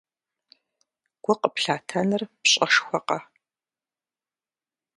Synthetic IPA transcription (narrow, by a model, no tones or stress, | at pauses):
ɡ̥ʷʊqəpɬaːtʰɐnɨrpɕʼɐʂxʷɔqɐ